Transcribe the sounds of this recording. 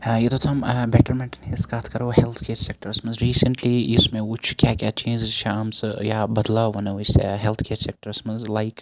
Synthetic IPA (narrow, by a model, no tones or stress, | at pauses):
jet̪ʰot̪ʰɐmbɛʈəɾmɛ̃ɳʈɪnhɪzkaːt̪ʰkɐɾohɛlt̪ʰkʰeːɾsek̚ʈəɾsmɐnzɾiːsə̃ɳʈliɪsmẽʊt͡ʃʰkjaːkʲjaːt͡ʃẽːnd͡ʒɪzʃaːmsjabɐd̪laʋɐnoːɪsḛɦɛlt̪ʰkʰeːɾsek̚ʈəɾsmɐ̃nzlaɪk